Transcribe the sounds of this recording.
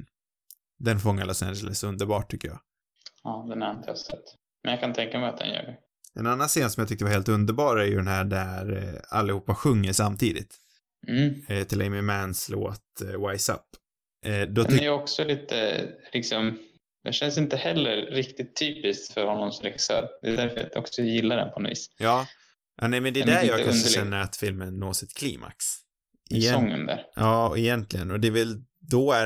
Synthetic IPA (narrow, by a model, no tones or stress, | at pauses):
d̪ɛnfɔŋːaɭɔsæ̰nd͡ʒɛləsɵnd̪əɾbɑːʈʰːʏkːəjɑ̰ː | ɑːd̪ɛnæant̪ʰa̰sɛt̪ː | mɛnjakʰant̪ʰɛŋkamɛat̪̚d̪ɛ̰njœ̰ːɖɛ | ɛ̰nanːanseːnsɔmjɑt̪ʰʏk̚t̪əvaɾheːlt̪ɵnd̪əɾbɑːɾæɾjɵ̰d̪ɛnɦæːɖæɾa̰lːɪhuːpːaɧɵŋːəʂamt̪ʰiːd̪ɪ̰t̪ː | t̪ʰɪlɛɪmɪmænslo̰ːt̪wajsa̰pː | ʔd̪ɔt̪ɛjɔksɔliːt̪ʰə̰lɪksɔm | d̪ɛʃɛnsɪnt̪əhɛlːəɾːɪkt̪ɪt̪ʰːyːpɪst̪fœɾhɔnːɔmsɾɛxɪ̥sœ̰ːɾd̪ɛ̰d̪æɾfœɾa̰ɔ̰ksɔjɪlːad̪ɛ̰npʰɔnɔ̰vḭːsjɑː | ʔanɛɪmɛnd̪ɛd̪æɾjɑːɡkːkaʂəʃɛnːəɾat̪fɪlmənːoːsɪt̪kʰlḭːmʔa̰ks | ʔɪɛɔŋːə̰nd̪ə̰ɾjɑːɛjɛnt̪lɪɡənɔd̪ɛvɛl | d̪ɔæ